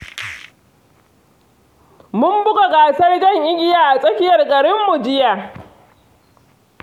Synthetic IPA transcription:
mʊ˦mbʊ˦ɡʼo˨ɡaː˨sɐ˦rd͡ʒɐ˦ŋʔɪ˦ɡʲɪ˦jaː˨ʔa˨sʼɐ˦kʲɪ˦jɐ˨rkʼɐ˨ɽɪ˦mːu˨d͡ʒɪ˦jaː˨

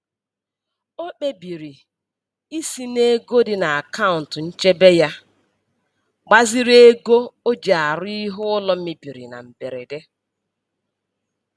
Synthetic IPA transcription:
o˦k͡pe˦bi˨ɾi˨ | i˦si˦ne˦ɡo˦dɪ˨na˨a˨ka˦ʊ˨n̩˨tn̩˦t͡ʃe˦be˦ja˦ | ɡ͡ba˦zɪ˦ɾe˦ɡo˦o˦d͡ʒa˨a˨ɾʊ˦i˦ɦʊ˦ʊ˦lɔ˦m̩˦mɪ˦bi˨ɾḭ˨na̰˨m̩˨be˨ɾḛ˨de˦

